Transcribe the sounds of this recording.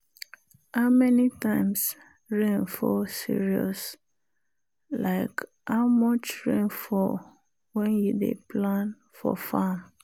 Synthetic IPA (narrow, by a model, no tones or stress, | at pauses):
aʊmɛnitãɪ̃ms | ɹẽnfɔsḭɹiɔ̰s | laɪk | haʊmɔt͡ʃɹẽnfɔ | wɛ̃njudḛpʰlãn | fɔ̰fãm